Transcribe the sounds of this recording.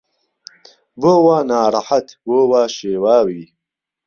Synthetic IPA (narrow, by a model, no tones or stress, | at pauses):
boːwaːnaːɾaħat̪boːwaːʃeːwaːwiː